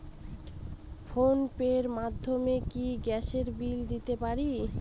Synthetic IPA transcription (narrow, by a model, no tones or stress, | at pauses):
fonpeɾmad̪ʱːomekiɡɛʃeɾbild̪it̪epaɾi